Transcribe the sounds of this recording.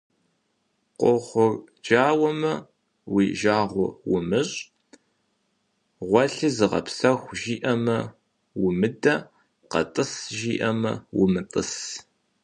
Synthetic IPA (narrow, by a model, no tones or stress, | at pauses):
qʷoχʷʊrd͡ʒaːwɐmɐ | wiːʒaːʁʷʊ̰wʊmɨɕʼ | ʁʷɔɬɨzɨʁɐ̰psɐxʷʒiːʔɐmɐ | wʊmɨdɐ | qɐ̰tʼɨsʒiːʔɐmɐ̰wʊmɨtʼəs